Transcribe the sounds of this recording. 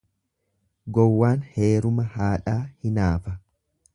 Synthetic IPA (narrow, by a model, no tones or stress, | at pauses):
ɡɔwːaːnhe̞ːɾʊmɐhaːᶑaːhɪnaːfɐ